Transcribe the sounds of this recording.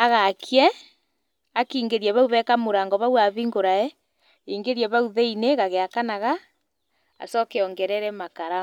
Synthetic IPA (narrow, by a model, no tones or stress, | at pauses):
aɣakʰiɛ | akiːŋɡeɾiɛβauβɛkamoɾaŋɡɔβawaβiŋɡoɾaɛ | iːŋɡeɾiɛβauðɛineɣaɣeakanaɣa | a̰sɔkɛɔŋɡɛɾɛɾɛmakaɾa